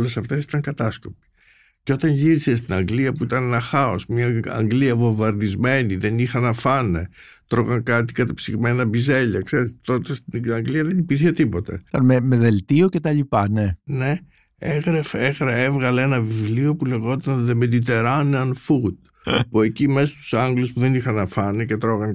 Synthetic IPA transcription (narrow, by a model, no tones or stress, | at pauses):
ole̞sɐft̪e̞si̥t̪ɐŋkɐt̪ɐsko̞pi̥ | ceo̞t̪ɐnʝiɾise̞s̬t̪inɐŋɡliɐpuit̪ɐnenɐxɐo̞smɲɐɐ̰ŋɡliɐvo̞vɐɾðizme̞niðe̞nixɐnɐfɐne̞̰ | t̪ɾoɣɐŋkɐt̪i̥kɐt̪ɐpsiɣme̞nɐbize̞ʎɐ̰kse̞ɾist̪o̞t̪est̪iɐŋɡliɐðe̞nipiɾçe̞t̪ipo̞t̪ḛɐmemeðelt̪io̞cet̪ɐʎipɐne̞ne̞ | eɣɾefeeɣɾɐevɣɐleenɐvivlio̞pule̞ɣo̞t̪ɐnðemed̪it̪e̞ɾɐneɐnfut̪̚ | pue̞cime̞sost̪u̥sɐŋɡluspuðe̞nixɐnɐfɐnece̞t̪ɾo̞ɣɐn